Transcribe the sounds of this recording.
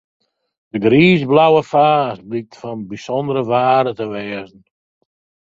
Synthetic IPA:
d̥əɡriːzblawəfaːst̚blik̚tfɔnbisɔndəɾəvaːɾətəʋɛːzən̩

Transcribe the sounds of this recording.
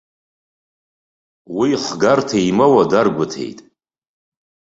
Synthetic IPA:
wiħɡartʰaimawadarɡʷʊtʰe̞̰jtʼ

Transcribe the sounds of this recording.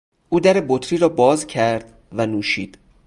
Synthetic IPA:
ʔuːd̪æɾe̞bot̪ʰɾiːɾɒːbɒːzcʰæɾd̪̥ | vænuːʃḭːd̪̥

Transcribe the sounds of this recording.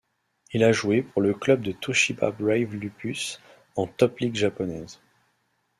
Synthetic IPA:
ilaʒuepuʁləklœb̚d̪ət̪oʃiba̰bʁɛjvlypys | ɑ̃t̪ɔpliɡʒapɔnɛz

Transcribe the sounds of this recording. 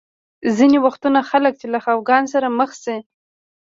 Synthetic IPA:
zinewaxt̪unaxalək̚t͡ʃelaxawɡɑns̬aɾaməxsi

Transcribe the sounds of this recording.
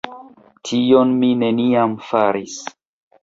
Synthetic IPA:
tʰionmine̞niamfaɾis

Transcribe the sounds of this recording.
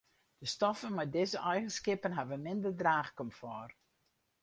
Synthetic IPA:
d̥əstɔfənmɛdɪzəʔɛjɣənskɪpənɦɛvənmɪndərdraːxkɔmfɔr

